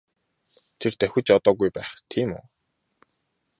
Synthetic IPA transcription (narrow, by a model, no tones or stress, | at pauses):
t̪ʰert̪æxʲɘ̆t͡ɕɔt̪ɔːɣujpæːχt̪ʰiːmʊ̰ː